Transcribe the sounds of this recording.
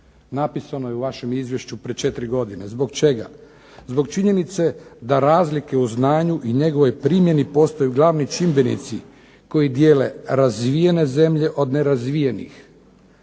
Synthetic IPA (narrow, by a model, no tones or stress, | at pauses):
napisanojeuʋaʃe̞mizʋje̞ʃt͡ɕupɾet͡ʃe̞t̪ɾiɡo̞d̪ine̞zbo̞ɡt͡ʃe̞ɡa̰ | zbo̞ɡt͡ʃiɲe̞nit̪se̞d̪aɾaːzlikeuznaːɲuʔiɲe̞ɡo̞ʋo̞jpɾiːmje̞nipo̞st̪ojuɡlˠaʋnojt͡ʃimbenḭt̪si | ko̞jid̪jeːle̞̰ɾazʋijene̞ze̞mʎe̞ʔo̞d̪ne̞ɾazʋijenḭx